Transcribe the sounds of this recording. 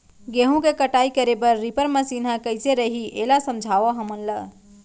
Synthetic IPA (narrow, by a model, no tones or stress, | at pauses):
ɡeɦũkekəʈaːikəɾebəɾːipəɾməsiːnɦãkəɪseɾəɦiʔeːlasəmd͡ʒʱaʋoɦəmənlə